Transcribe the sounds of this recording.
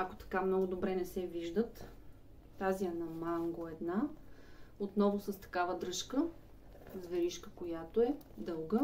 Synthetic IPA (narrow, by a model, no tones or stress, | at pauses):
ɐko̥t̪ɐ̥kamnɔɡʊd̪obɾɛnɛsɛviʒd̪ət̪ | t̪aziɐnɐmaŋɡoɛd̪na | ot̪nɔvʊsəst̪ɐ̥kavəd̪ɾɤʃkə | zvɛɾiʃkəkojat̪oɛd̪ɤlˠɡə